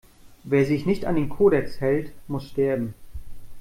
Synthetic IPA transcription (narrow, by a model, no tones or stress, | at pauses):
veːɐzɪçnɪçta̰ndeːnkʰoːɾɛkshɛltmʊsʃtɛɐbm̩